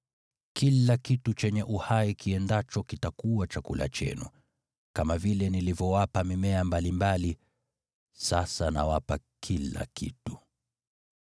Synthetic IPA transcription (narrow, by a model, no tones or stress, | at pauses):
kʰilakitut͡ʃɛɲɛʔuhaikiɛndat͡ʃɔkitakuwat͡ʃakṵla̰t͡ʃɛ̰nṵ | kamavilɛnilivjɔwapamimɛambalimbali | sasana̰wapakʰila̰kʰḭtu̥